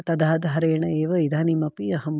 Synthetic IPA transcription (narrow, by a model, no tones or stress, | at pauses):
t̪ɐd̪ʱaːd̪ɦɐɾeːɳɐeːʋɐid̪ʱaːnimɐpiɐɦɐm